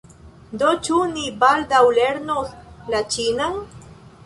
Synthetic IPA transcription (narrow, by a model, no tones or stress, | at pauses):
d̪ot͡ʃunibald̪awleɾnolat͡ʃinaŋ